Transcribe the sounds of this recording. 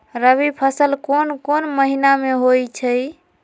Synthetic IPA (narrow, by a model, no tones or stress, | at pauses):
ɾəβipʰəsəlkonkonməɦinameɦojt͡ʃʰəj